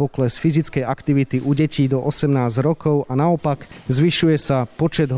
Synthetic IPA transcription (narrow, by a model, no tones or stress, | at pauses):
ɔklɛsfizit͡skɛjʔakt̪iʋit̪iʔuɟɛciːd̪ɔʔɔsɛmnaːzɾɔkɔʊʔanaɔpakzʋiʃujɛsapɔt͡ʃɛd̪ɦ